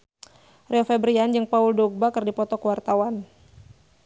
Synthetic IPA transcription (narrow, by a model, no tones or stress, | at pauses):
rɛɔfɛbɾiand͡ʒɨŋpauldɔɡ̚bakərdipɔt̪ɔkwart̪awan